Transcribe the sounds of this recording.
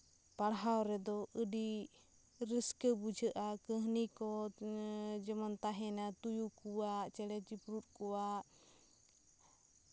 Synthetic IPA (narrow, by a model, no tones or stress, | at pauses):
paɽɦawɾɛd̪ɔʔəɖi | ɾəskəbud͡ʒʱəʔakəɦnikɔ | d͡ʒɛmant̪aɦɛnat̪ujukuwaʔt͡ʃɛɽɛd͡ʒipɾut̪̚ˀkɔwaʔ